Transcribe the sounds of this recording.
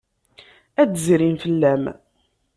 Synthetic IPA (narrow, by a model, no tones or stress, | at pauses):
æd̪zɾimfəlːæm